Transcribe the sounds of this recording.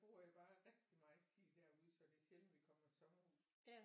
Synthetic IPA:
b̥o̝ɐ̰jäɪb̥ɑ̈ːʁɛɡ̥d̥imɑ̈ːð̩ˠt͡sʰið̰ˠd̥æɐuð̞ˠsɒ̽d̥e̝ɐɕel̰mʋikʰɒ̽m̰ɐsɒ̽mɐuððˠ

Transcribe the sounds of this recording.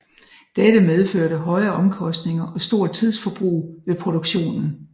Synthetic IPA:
d̥æɾ̥əmeð̞ˠføɐ̰ɾəɦɒ̽ɪɐːʔɒ̽mkʰɒ̽sd̥ne̝ŋɐʔɒ̽sd̥o̝ɐ̰t͡sʰið̞ˠsfɒ̽b̥ʁṵːʋe̝pʰʁo̝ɾ̥oɡ̥ɕo̝̰ːnn̩

